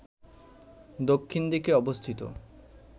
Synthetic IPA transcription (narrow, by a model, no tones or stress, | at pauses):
d̪okʰːind̪ikeɔbost̪ʰit̪o̰